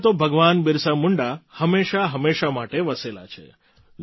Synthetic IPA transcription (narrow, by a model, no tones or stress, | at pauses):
t̪obʱəɡʋanbɪɾsamʊɳɖahəmːeʃaɦəmeʃamaʈeʋəsela̰t͡ʃʰḛ